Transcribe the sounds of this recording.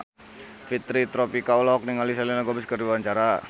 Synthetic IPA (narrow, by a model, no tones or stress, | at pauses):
fit̪ɾit̪ɾɔpikaulɔk̚niŋalis̬alinaɡɔbiskərdiwaɲt͡ʃaɾa